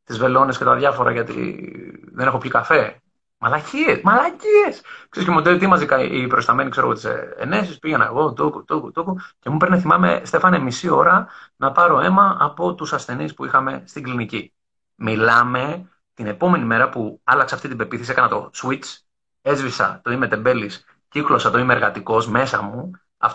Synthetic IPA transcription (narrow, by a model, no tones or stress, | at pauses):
t̪izve̞lo̞nescet̪ɐðjʝɐfo̞ɾɐ̰ʝɐt̪ḭðenexopçikɐfe̞ | mɐlɐciesmɐlɐcieskseɾscemod̪eit̪imɐzikɐʔḭpɾo̞st̪ɐme̞nikse̞ɾoɣot̪isḛḛnes̬ispiʝenɐeɣo̞d̪ukut̪ukut̪ukuce̞mupɾnɐθimɐme̞̰st̪e̞fɐnemisio̞ɾɐnɐpɐɾo̞e̞mɐɐpo̞t̪usɐsθe̞nispuixɐme̞st̪iɡlinici | milɐme̞ | t̪ine̞po̞me̞nime̞ɾɐpuɐlɐkseɐft̪it̪ibe̞piθesiekɐnɐt̪o̞̰swit͡s | e̞zvisɐ̰t̪o̞ime̞t̪e̞be̞lis | ciklo̞sɐt̪o̞ime̞ːɾɣɐt̪iko̞sme̞sɐmu | ɐ̰f